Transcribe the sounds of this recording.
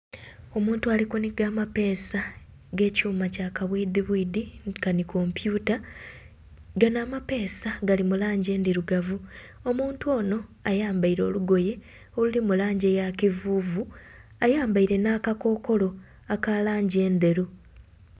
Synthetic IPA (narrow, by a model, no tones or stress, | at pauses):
o̞muːntuaːlikuniɡaːmape̞ːsa | ɡe̞ːcuːmacakaβwid̪iβwiːdikaniko̞mpjuːta | ɡanaːmape̞ːsaɡalimulaːɲɟe̞ːndiɾuɡavu | o̞muːntuwo̞ːno̞ajaːmbaiɾo̞ːluɡo̞je̞ | olulimulaːɲɟejakivuːvu | ajaːmbaiɾe̞nakako̞ːko̞lo̞ | akalaːɲɟie̞ːnde̞ɾu